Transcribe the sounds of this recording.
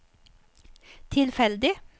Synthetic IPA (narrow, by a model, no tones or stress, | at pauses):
t̪ʰɪlfɛld̪ɪ